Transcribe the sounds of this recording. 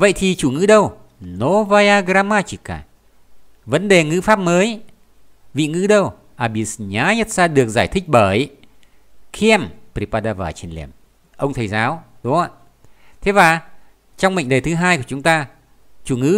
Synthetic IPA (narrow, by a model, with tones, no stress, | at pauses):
və̰˧˨jt̪ʰi˨˩t͡ɕu˧˩ŋɨ̰˧˥ɗə˧w | no˨˦vaː˧jaː˧ɣɾaː˧maː˧t͡ɕi˧˩ka̰ː˧˩ | və˨˦nɗe˨˩ŋɨ̰˧˥faː˦˥p̚məː˨˦j | vḭ˧˨ŋɨ̰˧˥ɗə˧w | ʔaː˧˩ɓi˧˩sɲaː˨˦ɲə˦˥t̚saː˧ɗɨ˨˩ək̚zaː˧˩jt̪ʰï˦˥k̚ɓəː˧˩j | kʰi˧ɛ˧mpɾi˧˩paː˧ɗaː˧vaː˨˩t͡ɕi˧˩ənlḭ˧˩əm | ʔə˧wŋ͡mt̪ʰə˨˩jzaː˨˦wɗʊ˨˦a˧˨ | t̪ʰe˨˦vaː˨˩ | t͡ɕɔ˧wŋ͡mmɓə̰˧˨ŋ̟ɗəː˨˩t̪ʰɨ˨˦ɦaː˧jku˧˩ət͡ɕʊ˨˦ŋ͡mt̪aː˧ | t͡ɕu˧˩ŋɨ̰˧˥